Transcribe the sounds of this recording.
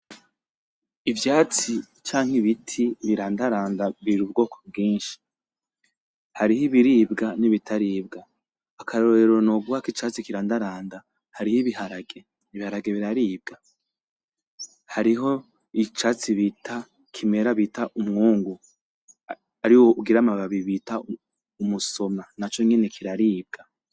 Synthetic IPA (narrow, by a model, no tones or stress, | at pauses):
ivjaːt͡si | t͡ʃaːŋ̥hiβitʰiβiɾaːndaɾaːndaβiɾubɡo̞ːkʰo̥b̚ɡiːnʃi̥ | haɾihiβiɾiːbɡaniβitʰaɾiːbɡaː | kʰaɾoɾeɾonoɡwakit͡ʃat͡sikiɾaːndaɾaːnda | haɾihiβihaɾaɡe̞ | iβihaɾaɡe̞βiɾaɾiːb̚ɡa | haɾiɦo̞ | it͡ʃat͡siβitʰa | kʰime̞ɾaβitaʔumŋuːŋɡu | aɾiwo̞uɡiɾamaβaβiβita | umuso̞manat͡ʃo̞ŋe̞ne̞kʰiɾaɾiːb̚ɡa